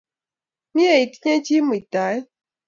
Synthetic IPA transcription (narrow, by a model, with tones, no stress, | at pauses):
mi˦e˨i˨ti˦ɲe˦t͡ʃi˦mi˨ta˨˦j